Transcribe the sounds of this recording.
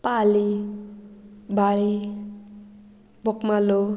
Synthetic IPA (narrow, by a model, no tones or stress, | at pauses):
pali | baɭi | bokmalo